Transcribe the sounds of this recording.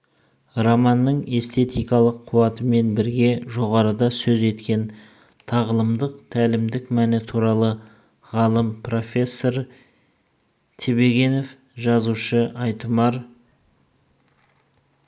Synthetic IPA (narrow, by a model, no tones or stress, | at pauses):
romɑnːəɴe̞st̪ʰe̞t̪ijkɑlˠəqʰːuwɑt̪əme̞nbɪɾɡʲe̞ʒo̞ʁɑɾəd̪ɑsɵze̞t̪kʲe̞n | t̪ʰɑʁəlˠəmd̪əq̚t̪ʰælɪmd̪ɪkmænɪt̪ʰuɾɑlˠə | ʁɑlˠəmpro̞fʲe̞sːo̞ɾ | t̪ʰebe̞ɡʲe̞no̞f | ʒɑzuʃəɑjt̪əmɑɾ